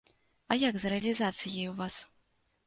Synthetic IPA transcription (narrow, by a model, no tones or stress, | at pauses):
ɐjakzrɛɐlʲizat̪sɨjɐjwvas